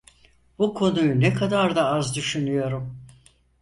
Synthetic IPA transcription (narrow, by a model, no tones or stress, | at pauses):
b̥ukʰo̞nujunɛkʰad̪aɾd̪aazd̪yʃynyjo̞ɾum